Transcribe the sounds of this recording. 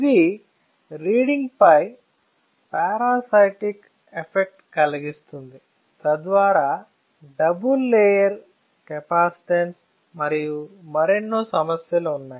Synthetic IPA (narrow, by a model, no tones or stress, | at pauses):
id̪i | ɾiːɽiŋɡpɐj | paːɾaːsɐjʈik | epʰek̚ʈkɐlɐɡist̪und̪i | t̪ɐd̪ʋaːɾaː | ɖɐbulːeːjɐɾ | kɛpaːsi̥ʈens | mɐɾijumɐɾenːoːsɐmɐsjɐluːunːaːji